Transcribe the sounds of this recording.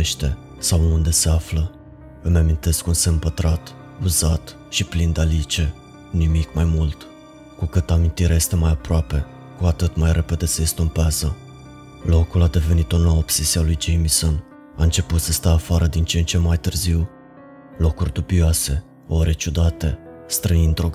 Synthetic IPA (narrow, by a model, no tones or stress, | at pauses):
ʃt̪e̞ | sawund̪e̞se̞aflə | əmamint̪e̞skunsempət̪ɾat̪ | uzat̪ | ʃiplind̪alit͡ʃe̞ | nimikmajmult̪ | kukɨt̪amint̪iɾʲeaje̞st̪e̞majapɾoape̞ | kuat̪ɨt̪majɾʔe̞pe̞d̪e̞seest̪umpeazə | lo̞kulad̪e̞ve̞nit̪onowobsesialujd͡ʒejmiso̞n | aɨnt͡ʃe̞put̪səst̪əːfaɾəd̪int͡ʃeent͡ʃe̞mːajt̪ɨrziw | lo̞kurʲd̪ubioase̞ | o̞ɾe̞t͡ʃud̪at̪e̞ | st̪ɾəind̪ɾoɡ